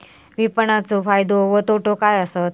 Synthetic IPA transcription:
ʋipəɳat͡sofajd̪oʋət̪oʈokajəsət̪

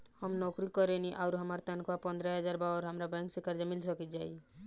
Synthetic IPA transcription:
həmnɔkɾikɔɾɛniʔaʊɾɦəmaɾt̪ɛnkapə̃nd̪ɾəɦəd͡ʒaɾbaɔɾɦəmɾabɛ̃ŋksekaɾd͡ʒamilsəkit̪̚d͡ʒaːi

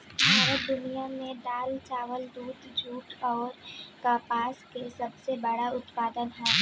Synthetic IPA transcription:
ɦaɾd̪ʊnijamẽɖaːlt͡ʃaːʋəld̪uːd̪d͡ʒʱuːʈɔːɾkaːpaːskesɐbsebɐɽaʊt̪paːd̪ənɦɛː

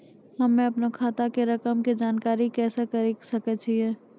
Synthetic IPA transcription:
ɦɐmẽɐpnekʰaːt̪akeɾɐkəmked͡ʒaːnkaːɾikɛːsekɐɾesɐket͡ʃʰiɛː

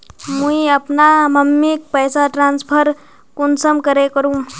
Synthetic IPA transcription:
mũiəpnaməmːik̚pəjsaʈɾanspʰəɾ | kunsəmkəɾekəɾũ

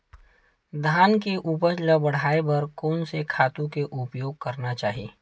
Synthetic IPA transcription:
d̪ʱaːnkeʔup̬əɾləbɐɽ̤aːebɐɾkɔːnsekʰaːt̪ũkeʔʊpjoːɡ̚kɐɾnat͡ʃaːɦiḛː

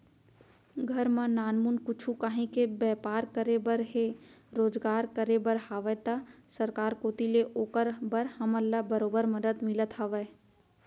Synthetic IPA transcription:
ɡʱəɾmãnaːnmunkʊt͡ʃʰukaɦẽkebɛːpaːɾkəɾebəɾɦeɾoːd͡ʒɡaːɾkəɾebəɾhaːʋət̪əsəɾkaːɾkoːt̪ileʔoːkəɾbəɾhəməlːabəɾoːbəɾməd̪əd̪mɪlət̪ɦəʋə

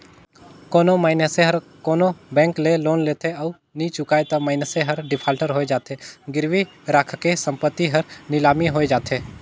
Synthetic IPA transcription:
koːnomaːɪnəseɦəɾ | koːnobɛ̃ːŋkleloːnleːt̪ʰeɔ | nit͡ʃʊkaːet̪ɐmaːɪnəseɦɐɾɖɪpʰaːlʈəɾɦoːed͡ʒaːt̪eɡɪɾʋi | ɾaːkʰkesə̃mpət̪ːiɦɐɾnɪlaːmiɦoːed͡ʒaːt̪ʰeː

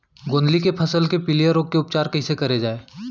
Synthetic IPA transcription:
ɡõːnd̪likepʰɐsəlkepɪlijəɾoːɡkeʊp̚t͡ʃaːɾkɐɦĩsekɐɾed͡ʒaːeː

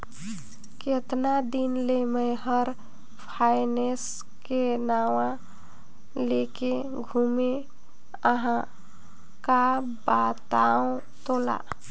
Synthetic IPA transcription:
ket̪nad̪inleməɪɦəɾ | pʰaɪnes | kenawã | leke | ɡʱume | əɦã | ka | bat̪aũ | t̪ola̰

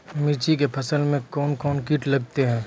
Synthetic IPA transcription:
mɪt͡ʃikepʰɐsəlmẽkɔːnkɔːnkiːʈlɐɡ̚t̪eɦɛ̃ː

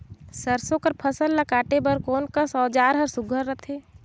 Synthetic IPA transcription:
səɾsõkəɾpʰəsəlːəkaːʈebəɾkoːnkəsɔːd͡ʒaːɾɦəɾsʊɡʱəɾːət̪ʰeː

